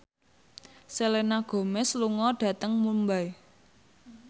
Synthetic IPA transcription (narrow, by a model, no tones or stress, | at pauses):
selenaɡ̥o̤mɛsluŋɔɖ̥ä̤t̪əŋmumbaj